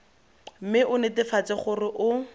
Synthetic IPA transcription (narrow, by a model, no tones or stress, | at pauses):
m̩mɪʔʊnɪtɪfat͡sɪχʊrɪʔʊ